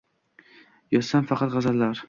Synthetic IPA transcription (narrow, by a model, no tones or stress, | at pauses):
jɒt̪samfɑqʰɑt̪ʁɑzallaɾ